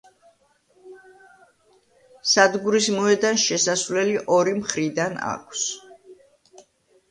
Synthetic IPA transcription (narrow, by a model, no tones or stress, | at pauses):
sad̪ɡuɾismɔɛd̪anʃɛsasvlɛliʔɔɾimχɾid̪ana̰kʰs